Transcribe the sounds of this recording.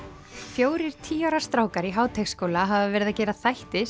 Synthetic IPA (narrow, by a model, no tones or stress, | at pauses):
fjoːwɾɪɾ̥t̪ʰiːawɾḁst̪ɾaːwkaɾiɦaːwt̪ʰɛkskoːwlaɦavavɛɾɪðacɛːɾaθajht̪ɪ